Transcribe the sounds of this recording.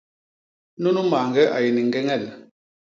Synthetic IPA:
nu˦nu˦maː˨ŋɡɛ˦ʔa̰˨je˨ni˨ŋ˨ɡɛ˦ŋɛ˦˨l

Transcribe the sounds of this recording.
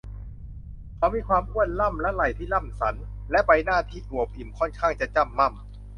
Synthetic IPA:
kʰa˨˦wmiː˧kʰwaː˧mkʰu˥˩ən̚la˥˩mlɛ˦˥la˨˩jt̪ʰiː˥˩la˥˩msa˩˦n | lɛ˦˥pa˧jnaː˥˩t̪ʰiː˥˩ʔu˨˩əp̚ʔi˨˩mkʰɔ˥˩nkʰaː˥˩ŋt͡ɕa˨˩t͡ɕa˧˥˩mːa˥˩m

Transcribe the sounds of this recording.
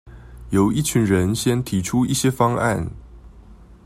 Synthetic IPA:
jo˨˥ʊi˥˩t͡ɕʰy˨˥nɻə˧˦nɕjɛ˥nt̪ʰi˨˥ʈ͡ʂʰu˥i˥˩ɕjɛ˥fɑ˥ŋa̰˥˩n

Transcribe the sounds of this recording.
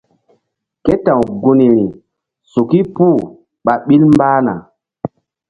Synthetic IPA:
ke˦tã˨wɡu˨ni˨ɾi˨ | su˨ki˦puː˦˨ | ɓa˨ɓi˦lmbaː˦na̰˨

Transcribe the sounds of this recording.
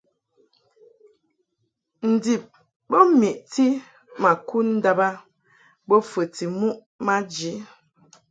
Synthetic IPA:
n̩˨di˨p̚ | bɔ˦mi˨ʔti˦ | ma˨ku˦nn̩˦da˦ba˦ | bɔ˦fə˨ti˨mu˦ʔ | ma˦d͡ʒi˨˦

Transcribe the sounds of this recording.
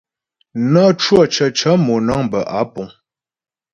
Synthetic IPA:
na˦t͡ʃwɔ˦˨t͡ʃə˨t͡ʃə˨˦mɔ˨na˦ŋbə˨ʔa˨˦pɔ˨ŋ

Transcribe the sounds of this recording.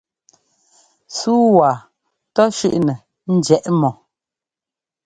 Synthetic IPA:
suː˦waː˨ | tɔ˦ʃʉ̰˦ʔnɛ˨ | n̩˦d͡ʒɛ˨ʔmɔ˨

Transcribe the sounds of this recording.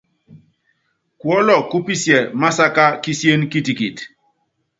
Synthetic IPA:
kwɔ˦lɔ˨ku˦pi˦sjɛ˨ma˦sa˦ka˦ki˦sje˦nki˦ti˨ki˨t

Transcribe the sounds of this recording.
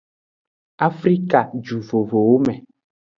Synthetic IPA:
a˦fɾi˦ka˨d͡ʒu˨vo˨vo˨wo˦mɛ̃˨

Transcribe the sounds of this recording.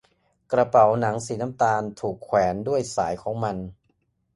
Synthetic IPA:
kɾa˧pa˩˦wna˩˦ŋsiː˩˦na˦˥˩mt̪aː˧nt̪ʰuː˨˩kʰːwɛː˩˦ndu˥˩əjsaː˩˦jkʰɔː˩˦ŋma˧n

